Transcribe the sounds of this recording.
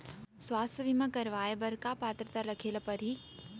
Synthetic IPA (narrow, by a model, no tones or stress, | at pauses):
swaːst̪ʰjəʋimə̃kɐɾʋaːjebɐɾkapaːt̪ɾət̪aɾlɐkʰeːləpɐɾɦi